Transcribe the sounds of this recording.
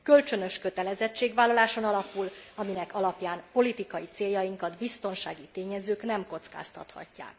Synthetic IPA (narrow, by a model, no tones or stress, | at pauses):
kø̞lt͡ʃø̞nø̞ʃkø̞t̪ɛlɛzɛt͡ʃːeːɡʋaːlːɒlaːʃo̞nɒlɒpulɒminɛkɒlɒpjaːnpo̞lit̪ikɒjit̪seːjːɒjiŋkɒd̪bist̪o̞nʃaːɡit̪eːɲɛzøːknɛmko̞t̪ska̰ːst̪ɒ̰t̪hɒ̰cːa̰ːk